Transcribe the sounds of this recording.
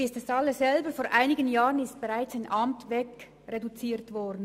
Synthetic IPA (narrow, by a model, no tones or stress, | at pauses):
ɪstɛsɑlːəzɛlbəfoːɾʔaɪnɪɡənjaːʁənɪst̚b̥eʁaɪt͡saɪnʔɑmtvɛk | ʁedut͡siːtvɔʁdn̩